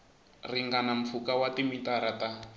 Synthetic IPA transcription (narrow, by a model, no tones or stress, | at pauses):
riŋɡanam̩fukawatimitaɾata